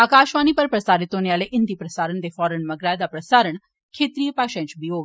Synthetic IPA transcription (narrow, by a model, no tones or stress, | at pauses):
akaːʃʋaːnipɐɾpɾɐsaːɾit̪ɦonjaːleʔɪnd̪ipɾɐsaːɾəɳd̪efɔːɾəɳmɐɡɾaːjd̪apɾɐsaːɾəɳ | kʰeːt̪ɾiːjəpaːkʃɛ̃ɲt͡ʃbioːʋ